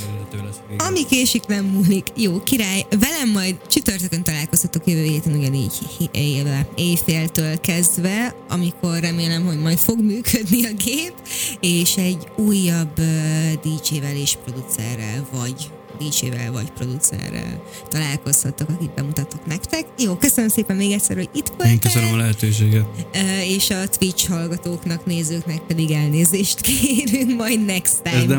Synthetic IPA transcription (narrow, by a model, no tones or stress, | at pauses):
ɒmikeːʃiklɛmːulikjoːkiɾaːjvɛlɛmːɒjd̪t͡ʃyt̪ørt̪økønt̪ɒlaːlko̞shɒt̪ːokjøvøːɦeːt̪ɛnuɟɒnḭːɟ | eːfeːlt̪øːlkɛzd̪vɛɒ̰mikʰo̞rːɛmeːlɛmho̞ɟmɒjt̪fo̞ɡmyːkʰød̪niɒɡeːpeːʃɛɟːuːjːɒbød̪iːt͡ʃeːvɛleːʃpro̞d̪ut̪sɛ̰rːɛ̰lvɒɟ | d̪iːt͡ʃḛːvɛ̰lvɒ̰cpro̞̰d̪ut̪sɛ̰rːɛ̰l | t̪ɒlaːlko̞shɒt̪ːokɒkit̪̚bɛmut̪ɒt̪ːoknɛkt̪ɛkjoːkøsønømseːpɛmːeːɡɛc̪sɛ̰rhoɟit̪koeŋkøsønəmɒlɛɦɛt̪øːʃ̬eːɡɛt̪øeːʃɒt̪ʋit͡ʃhɒlɡɒt̪oːknɒkneːzøːknɛk̚pɛd̪iɡɛlneːzeːʃt̪keːɾyŋkmɒjd̪nɛkst̪ɛɛd̪ɛ